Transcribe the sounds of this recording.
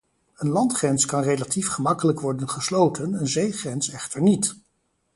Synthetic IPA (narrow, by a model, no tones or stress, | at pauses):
ənlɑntχrɛnskɑnrejlatifχəmɑkələkʋɔɹdənχəslowtʰənənzejχrɛnsɛχtəɹnit